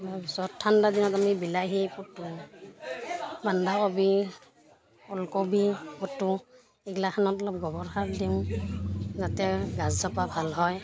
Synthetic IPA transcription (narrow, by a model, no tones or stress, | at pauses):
babisɔtʰːandadinɔtamibilajɦiputːu | bandaɔbi | ɔlkɔbipɔtːu | ɛɡlaxanɔtɔlɔp̚ɡɔbɔɹxakdim | zatɛɡazzapabʱalɦɔj